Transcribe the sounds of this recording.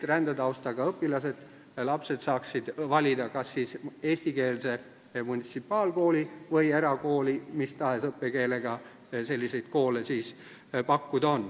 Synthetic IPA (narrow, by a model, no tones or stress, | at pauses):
rænd̪̥ɑt̪ɑwst̪ɑɡ̥ɑɤpːilɑsed̪̥ | lɑpse̞d̪sɑːksid̪̥vɑlʲid̪̥ɑkɑsːiːse̞ːsʲt̪ike̞ːlse̞ | munʲit̪sipːˑɑːlko̞ːlivɤjeɾɑko̞ːlimist̪ɑe̞sɤpːe̞ke̞ːle̞ɡ̥ɑ | se̞lʲːise̞jd̪̥̚ko̞ːle̞siːs | pɑkːud̪̥o̞nː